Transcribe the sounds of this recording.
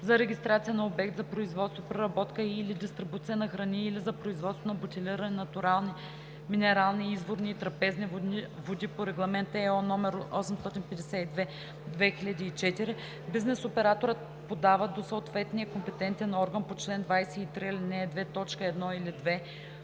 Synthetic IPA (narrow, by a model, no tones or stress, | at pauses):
zɐɾɛɡʲist̪ɾat̪siənɐobɛk̚t̪zɐpɾoizvɔt̪st̪vopɾɛɾɐbɔt̪kəilid̪ist̪ɾɪbut̪siənɐxɾɐniːlizɐpɾoizvɔt̪st̪vonɐbot̪ʲiliɾɐnɛnɐt̪ʊɾalˠni | minɛɾalˠniizvoɾniːt̪ɾɐpɛznivivod̪ipoɾɛɡlˠɐmɛnt̪ɛɔnɔmɛɾoʔɔsɛmst̪ɔt̪inpɛd̪ɛsʲɛid̪vɛ | d̪vɛxilʲɐd̪iːt͡ʃɛt̪iɾi | biznɛsopɛɾat̪oɾət̪ | pod̪avəd̪osət̪vɛt̪nijəkompɛt̪ɛnt̪ɛnɔɾɡənpot͡ʃlɛnd̪vajsɛit̪ɾilinɛd̪vɛt̪ɔt͡ʃkəɛd̪nɔilid̪vɛ